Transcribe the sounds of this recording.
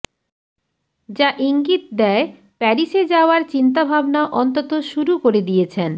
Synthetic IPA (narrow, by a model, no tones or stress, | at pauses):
d͡ʑaʔiŋɡit̪̚d̪ɛe | pɛɾiʃed͡ʑaoaɾt͡ɕint̪̬abʱabnaʔɔnt̪ot̪oʃuɾukoɾed̪ijet͡ɕʰen